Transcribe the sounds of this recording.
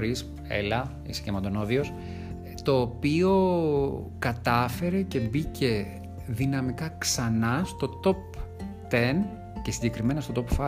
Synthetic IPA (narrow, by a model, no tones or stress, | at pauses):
ɾis | ḛlɐ | ḭse̥cemɐnd̪o̞noðio̞s | t̪o̞ːpio̞ | kɐt̪ɐfe̞ɾe̞ce̞bicʰe̞ | ðinɐmikɐksɐnɐst̪o̞t̪o̞pt̪e̞n | cesiɲɟe̞kɾime̞nɐst̪o̞t̪opfɐ